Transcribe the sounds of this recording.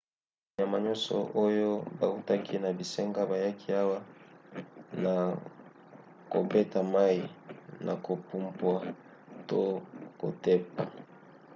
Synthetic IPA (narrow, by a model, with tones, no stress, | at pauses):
ɲa˨ma˨ɲɔ˦sɔ̰˨ʔo˦jo˦ba̰˨u˦ta˦kʰi˦na˨bi˨se˦ŋɡa˦ba˨ja˦kʰi˦a˦wa˦ | na˨ | ko˨be˦ta˨ma˦i˨nʔa̰˨ko˨pu˦mpwa˦ | to˦ko̰˨te˦p̚a˨